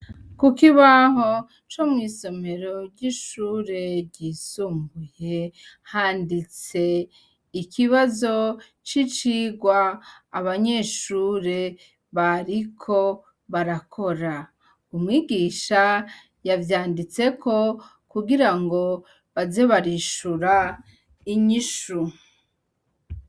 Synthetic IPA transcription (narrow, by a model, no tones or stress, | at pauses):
kukiβaɦo̞ | t͡ʃomŋiːso̞me̞ɾo̞ɾɟiʃuːɾe̞ɾɟiːsuːmɡuje̞ | haːndit͡se̞ | ikʰiβazo̞ | t͡ʃit͡ʃiːɡwaːβaɲe̞ʃuːɾe̞ | βaɾikʰo̞ | βaɾakʰo̞ɾa | umŋiːɡiːʃa | javjaːndit͡se̞kʰo̞ | kuɡiɾaŋɡo̞ | βaze̞βaɾiʃuɾa | iɲiʃu